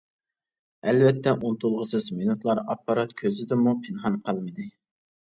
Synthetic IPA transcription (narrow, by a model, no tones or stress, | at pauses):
ɛlvɛt̪ʰːɛʔunt̪ulˠʁəsɨzminut̪lˠɑɾɑpːɑɾɑt̪kʲʰøzɪd̪ɪmupʰɪnɦɑnqʰɑlˠmɨd̪ɨ